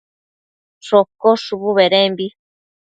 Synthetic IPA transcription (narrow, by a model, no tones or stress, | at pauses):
ʂokoʂuβuβeɾembi